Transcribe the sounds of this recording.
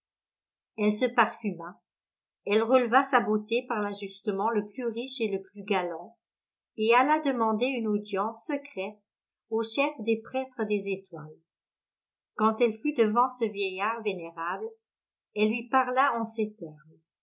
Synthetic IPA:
ɛlsəpaʁfyma | ɛlʁəlvasabot̪epaʁlaʒyst̪əmɑ̃ləplyʁiʃeləplyɡalɑ̃ | ealad̪əmɑ̃d̪eynod̪jɑ̃sːəkχɛt̪ | oʃɛfd̪epχɛt̪χəd̪ezet̪wa̰l | kɑ̃t̪ɛlfyd̪əvɑ̃səvjɛjaːʁveneʁabl | ɛlːɥipaʁlaɑ̃set̪ɛʁm

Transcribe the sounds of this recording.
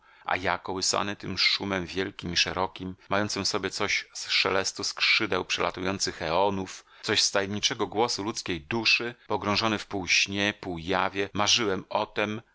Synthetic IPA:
ʔa̰jakɔwɘsa̰nɘt̪ɘmʂumɛmvʲjɛlkʲimiʂɛɾɔkʲimːajɔnt̪sɨmfsɔbʲjɛt̪sɔɕsʂɛ̰lɛst̪uskʂɘd̪ɛwpʂɛla̰t̪ujɔnt̪sɘxɛɔnuf | t̪sɔɕst̪ajɛmɲit͡ʂɛɡɔɡwɔsulut̪skʲejd̪uʂɘpɔɡɾɔ̃w̃ʐɔnɘfpuwɕɲɛpuwjavʲjɛmaʐɘwɛmɔt̪ɛm

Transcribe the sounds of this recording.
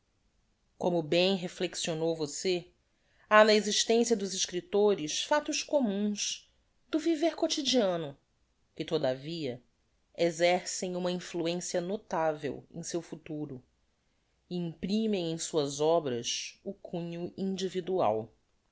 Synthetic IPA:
kõmʊbẽj̃ɦefleksionowvose | anɐeziʃt̪ẽsijɐd̪ʊziʃkɾit̪oɾɪsfat̪ʊskomũs | d̪ʊviveɾkot͡ʃid͡ʒiɐ̃nʊ | kɪt̪od̪aviɐ | ezɛɾsẽj̃ũmɐĩfluẽsiɐnot̪avḛwḛ̃j̃sewfut̪uɾʊ | ɪĩpɾĩmẽj̃ẽj̃suɐzɔbɾɐsʊkʰũɲʊĩd͡ʒivid̪ua̰w

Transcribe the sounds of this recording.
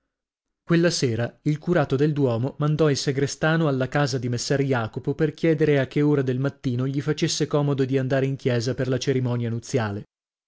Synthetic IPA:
kwelːaseːɾailkuɾaːt̪od̪eld̪wɔːmomand̪ɔilseɡɾest̪aːnoalːakaːzad̪imesːɛrjaːkopoperkjɛːd̪eɾeakːeoːɾad̪elmat̪ːiːnoʎifat͡ʃesːekɔːmod̪od̪iand̪aːɾeiŋkjɛːzaperlat͡ʃeɾimɔːnjanut̪sːjaːle

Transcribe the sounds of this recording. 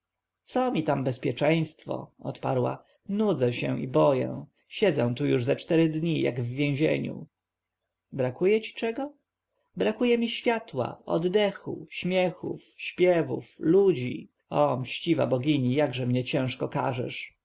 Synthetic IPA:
t̪sɔmʲit̪ambɛspʲjɛt͡ʂɛ̃j̃st̪fɔ̰ɔ̰t̪pa̰ɾwa̰ | nud̪zɛɕɛ̃ʔḭbɔjɛ̰̃ | ɕɛd̪zɛ̃w̃t̪ujuʐzat͡ʂt̪ɛɾɘd̪ɲija̰ɡvːʲjẽw̃ʑḛɲṵ | bɾakujɛt͡ɕi̥t͡ʂɛɡɔ | bɾakujɛmʲiɕfʲjat̪wa̰ɔ̰d̪ːɛxṵɕmʲjɛxṵfɕpʲjɛvuflud͡ʑḭ | ɔmɕt͡ɕiva̰bɔɡʲiɲijaɡʐɛmɲɛt͡ɕɛ̃ʂkɔka̰ʐɛ̰ʂ

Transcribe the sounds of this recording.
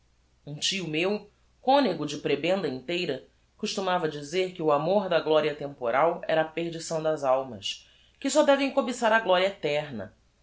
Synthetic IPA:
ũt͡ʃiʊmew | kõneɡʊd͡ʒɪpɾebẽnd̪ɐĩnt̪ejɾɐ | kuʃt̪umavɐd͡ʒizeɾkɪʊamoɾd̪ɐɡlɔɾiɐt̪ẽmpoɾawɛ̰ɾɐːpeɾd͡ʒisɐ̃w̃d̪ɐzawmɐ̰s | kɪsɔd̪ɛvẽj̃kobisaɾɐɡlɔɾiɐet̪ɛɾnɐ̰

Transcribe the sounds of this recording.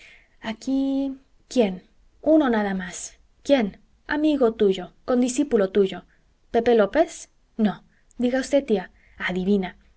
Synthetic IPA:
aki | kjen | unonaðamas | kje̞n | a̰miɣot̪uʝo̞ko̞nd̪isipulot̪uʝo̞ | pepelopes | no | d̪iɣaust̪et̪ːia | aðiβina

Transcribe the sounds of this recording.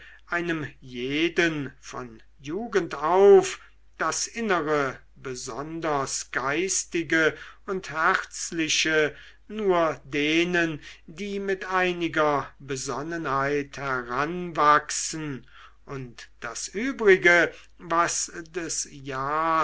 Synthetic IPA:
ʔaɪnəmjeːdənfɔ̰n | juːɡəntaʊf | d̥asʔɪnəʁə | bəzɔndɐsɡ̥aɪstɪɡəʊnthɛʁt͡slɪʃə | nuːɐdeːnəndiːmɪtʔaɪnɪɡɐbəzɔnənhaɪthɛɐʁanvaksn̩ | ʔʊntd̥asʔyːbʁɪɡə | vasdɛsjaː

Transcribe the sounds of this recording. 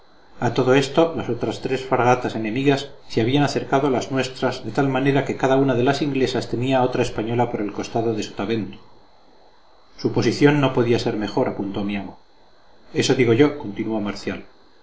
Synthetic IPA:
at̪o̞ðo̞e̞st̪o̞laso̞t̪ɾast̪ɾe̞sfaɾɣat̪ase̞nẽ̞miɣasːeaβ̞ianaθe̞ɾkaðoalaznwe̞st̪ɾazðe̞t̪almane̞ɾake̞kaðaunaðe̞lasiŋɡle̞sast̪e̞niao̞t̪ɾae̞spaɲo̞lapo̞ɾe̞lko̞st̪aðo̞ðe̞su̥t̪aβe̞nt̪u̥ | supo̞siθjo̞nːopo̞ðiase̞ɾme̞xo̞ɾapunt̪omiamo | e̞so̞ðiɣo̞ʝo̞ko̞nt̪inuamaɾθjal

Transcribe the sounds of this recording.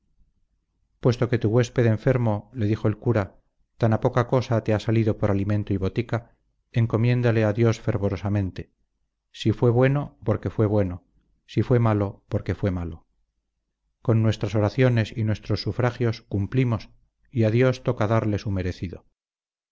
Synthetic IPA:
pwe̞st̪o̞ke̞t̪uɣwe̞spe̞ðeɱfe̞ɾmo̞le̞ðixoelkuɾa | t̪anapo̞kako̞sat̪e̞asaliðo̞poɾalimẽ̞nt̪oiβo̞t̪ika | e̞ŋko̞mjẽ̞nd̪ale̞aðjo̞sfe̞ɾβo̞ɾosamẽnt̪e̞ | sifwe̞βwe̞no̞po̞ɾke̞fwe̞βwe̞no | sifwe̞malopo̞ɾke̞fwe̞malo | ko̞nːwe̞st̪ɾaso̞ɾaθjo̞ne̞sinwe̞st̪ɾo̞sːufɾaxjo̞skumplimo̞s | iaðjo̞st̪o̞kaðaɾle̞sume̞ɾe̞θiðo̰

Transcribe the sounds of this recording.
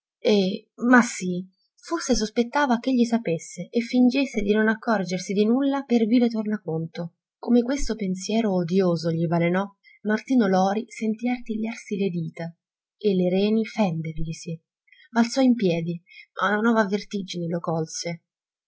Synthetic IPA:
ɛmasːi | forses̬ospet̪ːaːvak̟eʎːisapesːeʔefːind͡ʒesːed̪inonakːɔrd͡ʒersid̪inulːaperviːvet̪ornakont̪o | komekwest̪opensjɛːɾoːd̪joːzoʎibalenɔ | mart̪iːnolɔːɾisent̪iːart̪iʎːarsiled̪iːt̪a | eleɾɛːnifɛnd̪erʎisi | balt̪sɔimpjɛːd̪imʔaunanɔːvavert̪id͡ʒinelokɔlse

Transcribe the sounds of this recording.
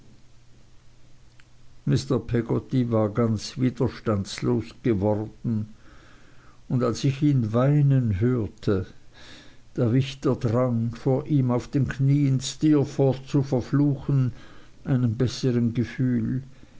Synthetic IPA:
mɪstɐpʰɛɡɔtivaːɐɡant͡sviːd̥ɐʃtansloːsɡ̥əvɔʁd̥n̩ | ʊndalsɪçiːnvaɪnənɦøːɐtʰə | d̥eːɐvɪçtɐdʁaŋfoːɐʔiːmaʊfd̥eːnkʰniːənstiːɐfɔːt̚t͡sufəɐfluːxən | ʔaɪnənbɛsəʁənɡəfyːl

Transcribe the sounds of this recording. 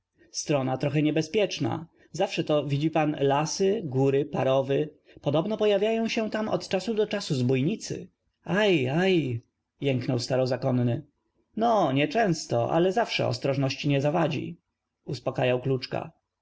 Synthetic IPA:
st̪ɾɔnat̪ɾɔxɛɲɛbɛspʲjɛt͡ʂna̰ | zafʂɛt̪ɔvʲid͡ʑipanlasɘɡuɾɘpaɾɔvɘ | pɔd̪ɔbnɔpɔjavʲjajɔ̃w̃ɕɛ̃t̪amɔ̰t̪t͡ʂasud̪ɔt͡ʂasuzbujɲit̪sɘ̰ | ajaj | jɛŋknɔwst̪aɾɔzakɔnːɘ | nɔɲɛt͡ʂɛ̃w̃st̪ɔʔa̰lɛzafʂɛ̰ɔ̰st̪ɾɔʐnɔɕt͡ɕiɲɛzavad͡ʑḭ | uspɔkajawklut͡ʂka̰

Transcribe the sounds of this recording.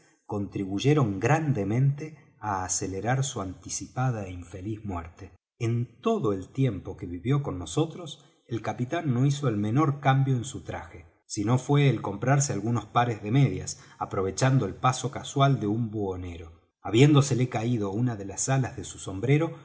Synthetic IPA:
ko̞nt̪ɾiβ̞uʒe̞ɾo̞ŋɡɾand̪e̞mẽ̞nt̪e | aːseleɾaɾsuant̪isipaðaeiɱfe̞lizmwɛɾt̪e | ent̪o̞ðo̞elt̪je̞mpo̞keβiβjo̞ko̞nːo̞so̞t̪ɾo̞s | elkapit̪anːo̞iso̞elme̞no̞ɾkambjo̞ensut̪ɾa̰xe | sino̞fwe̞ːlko̞mpɾaɾsealɣuno̞spaɾezðe̞meðjasapɾo̞βe̞t͡ʃand̪o̞elpaso̞kaswald̪eumbuone̞ɾo̞ | aβje̞nd̪ose̞le̞kaið̞o̞unaðe̞lasalazðesuso̞mbɾe̞ɾo̞

